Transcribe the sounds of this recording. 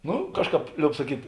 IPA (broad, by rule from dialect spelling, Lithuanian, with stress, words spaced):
ˈnʊ ˈkɑːʃˌkɑːp ˈlʲoːʊp sɐˈkʲiːtʲ